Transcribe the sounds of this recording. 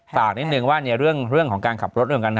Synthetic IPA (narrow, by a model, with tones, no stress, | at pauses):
faː˨˩k̚ni˦˥t̪̚nɯ˧ŋwaː˥˩ni˧ɾɯ˥˩əŋɾɯ˥˩əŋkʰɔː˩˦ŋkaː˧nkʰa˨˩p̚ɾo˦˥ɾka˧nkʰ